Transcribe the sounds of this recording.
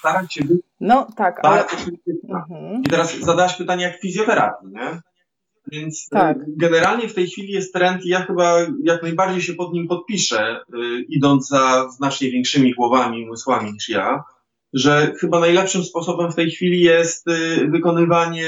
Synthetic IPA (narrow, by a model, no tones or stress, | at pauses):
st̪aɾaɕɛbɘnɔt̪akbaɾd̪zɔkt̪ɘtna̰it̪ɛɾaszad̪awaɕpɘt̪aɲɛjakfʲizʲjɔt̪ɛɾa̰t̪iɲɛ | vʲjɛnt̪sɡɛnɛɾalɲɛft̪ɛjxfʲilʲijɛst̪ːɾɛnt̪ijaxɘbajaknajbaɾd͡ʑejɕɛpɔd̪ɲimpɔt̪̚pʲiʂɛid̪ɔnd̪zzaznat͡ʂɲɛvjɛ̃ŋkʂɘmʲiɡwɔvamʲimɘswamʲiɲiʂja̰ | ʐɛxɘbanajlɛpʂɘmspɔsɔbɛmft̪ɛjxfʲilʲijɛst̪vɘkɔnɘvaɲɛ